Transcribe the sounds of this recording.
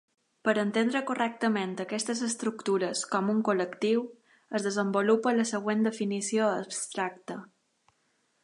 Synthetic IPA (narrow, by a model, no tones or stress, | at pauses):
pəɾənt̪end̪ɾəkurɛk̚t̪əment̪əkɛst̪əzəst̪ɾukt̪uɾəskɔmuŋkuləkt̪iw | əzðəzəmbulupələsəɣ̞wend̪əfinisioəpst̪ɾak̚t̪ə